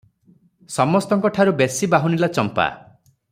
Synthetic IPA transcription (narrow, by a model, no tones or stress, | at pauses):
sɔmɔst̪ɔŋkɔʈʰaɾubesibaɦunilat͡ʃɔmpa̰